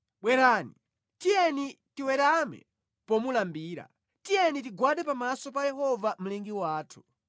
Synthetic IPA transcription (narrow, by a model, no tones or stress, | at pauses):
ɓwɛɾaːni | tijɛni | tiwɛɾamɛ̰ | pɔmulambiːɾa̰ | tijɛnit̬iɡwaɗɛpamasɔpajɛhɔvam̩lɛŋɡiwaːtʰu̥